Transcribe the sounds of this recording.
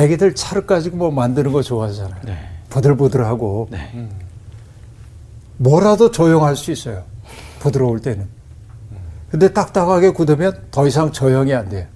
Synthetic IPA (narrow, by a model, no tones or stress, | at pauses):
eɡidɯɭt͡ɕʰaɾɯk͈ad͡ʑiɡomwʌmandɯnɯnɡʌt͡ɕoɦad͡ʑanajepodɯɭpudɯɾɦaɡone | mwʌɾadot͡ɕʌjoŋɦaɭs͈uis͈ʌjopudɯɾʌoɭt͈e̞nɯn | kɯnde̞t͈ak̚t͈aɡaɡe̞kudɯmjʌntʌisʰaŋt͡ɕʌjʌŋiande̞jo